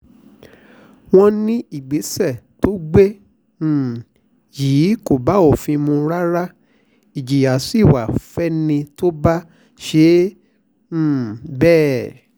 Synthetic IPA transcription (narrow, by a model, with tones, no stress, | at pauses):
w̃ɔ̃˦nĩ˦i˦˨ɡ͡be˨˦sɛ˦˨to˦ɡ͡bẽ˦˨ | jiː˨˦ko˦˨ba˨˦o˦˨fĩ˧mũ˧ɾa˦ɾa˦ | i˨d͡ʒi˨ja˨si˦˨wa˨fɛ˦nĩ˧to˦ba˦ | ʃe˨˦˨ | bɛː˦˨